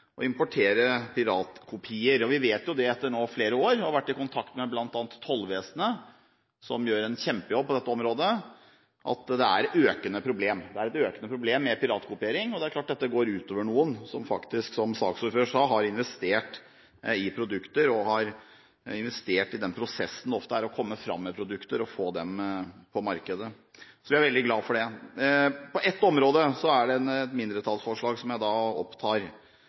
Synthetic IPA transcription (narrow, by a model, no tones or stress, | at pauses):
ʔɔɪmpʊʈʰeːɾəpʰɪɾɑːt̪kʰʊpʰiːəɾɔʋɪʋeːt̪jʊd̪ɛɛt̪ːəɳoːfleːɾəoːɾɔʋæʈːɪkʊnt̪ʰɑkt̪mɛblɑnt̪ɑːnət̪ʰhɔlːʋeːsənə | sɔ̰mjøːɾɛnçɛmpəjɔb̚ːpʰɔd̪ɛt̪ːəɔmɾoːd̪ə | ʔɑ̰t̪d̪ɛæɾøːkənəpʰɾʊbleːmd̪ɛæɾɛt̪øːkənəpʰɾʊbleːmːɛpɪɾɑːt̪kʰʊpɪeːɾɪŋɔd̪ɛæɾklɑːʈ̚d̪ɛt̪ːəɡoːɾʉːt̪oːʋəɳuːənsɔmfɑ̰kt̪ɪsksɔmsɑ̰ːksɔɾføːʂɑːɦɑɾɪnʋɛst̪eːʈ | ɪpʰɾʊd̪ʉkt̪əɾɔhɑɾ | ɪnʋɛst̪eːʈɪd̪ɛnpʰɾʊsɛsn̩ɔft̪əæɾɔkʰɔmːəfɾɑ̰mːɛpʰɾʊd̪ʉkt̪əɾɔfoːd̪ɛmpʰɔmɑɾkəd̪ə | sɔʋɪæɾʋɛld̪ɪɡlɑːfɔɖɛ | pʰɔʔɛt̪ːɔmɾoːd̪əsɔæɖɛnɛt̪mɪnd̪ɾət̪ʰɑlsfɔʂɭɑːɡsɔmjæɪd̪ɑːɔ̰pt̪ʰɑːɾ